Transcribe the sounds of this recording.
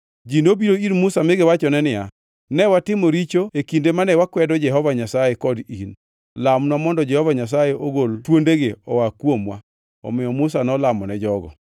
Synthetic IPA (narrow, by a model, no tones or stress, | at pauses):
d͡ʒinobiɾoiɾmʊsamɪɡɪwat͡ʃɔnɛnɪja | nɛwatɪmɔɾit͡ʃoekindemanɛwakwɛdɔd͡ʒɛɦɔvaɲasajekɔdin | lamnwamɔndɔd͡ʒɛhɔvaɲas̬ajeʔoɡoltwondeɡeɔwakwomwa̰ | ɔ̰mɪjɔmʊs̬anɔlamɔnɛd͡ʒɔɡɔ̰